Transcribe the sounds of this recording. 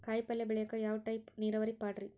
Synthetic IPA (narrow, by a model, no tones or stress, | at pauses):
kaːjpːɐlːɐʋɪɭɐjɐkːɐjaːʋʈːɐɪpniːɾɐʋɐɾipːaːʈɾi